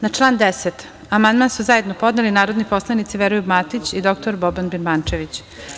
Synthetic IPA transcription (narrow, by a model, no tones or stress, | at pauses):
nat͡ʂlˠaːnd̪eset̪ | amand̪mansuzaje̞d̪nopo̞d̪nelinaːɾod̪nipo̞slˠanit̪siʋeɾujubmat̪it͡ɕid̪o̞kt̪oɾbobanbinbant͡ʃeʋit͡ɕ